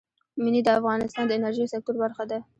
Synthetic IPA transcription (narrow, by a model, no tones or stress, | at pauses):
mɪnid̪əafɣɑnɪst̪ɑnd̪əɪnaɾʒiasɪk̚t̪ʊɾbaɾxad̪a